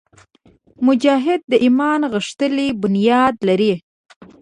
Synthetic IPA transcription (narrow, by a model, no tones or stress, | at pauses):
mʊd͡ʒɑɦɪd̪̚ːəʔimɑnɣəʂt̪əlibʊnjɑd̪laɾi